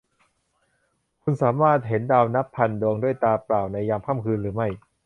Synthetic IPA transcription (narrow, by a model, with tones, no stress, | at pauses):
kʰu˧nsaː˩˦maː˥˩t̪̚ɦe˩˦ndaː˧wna˦˥pʰːa˧ndoː˧ŋdu˥˩əjt̪aː˧pɾaː˨˩wna˧jːaː˧ŋkʰaː˥˩mkʰɯː˧nɾɯː˩˦ma˥˩j